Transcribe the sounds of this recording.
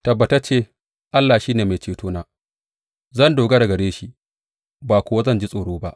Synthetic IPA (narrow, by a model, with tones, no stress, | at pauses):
tɐ˨bːɐ˨tɐ˦t͡ʃeː˦˨ | ʔa˦lːaː˨ʃiː˦neː˨me˨t͡ʃeː˨toː˦naː˦ | zɐ˦˨ndoː˨ɡɐ˦ɽɐ˨ɡɐ˨ɽeː˦ʃi˦ | baː˨kʷʊ˦wa˦zɐ˦˨nd͡ʒi˦sʼoː˨ɽoː˦ba˦ʔ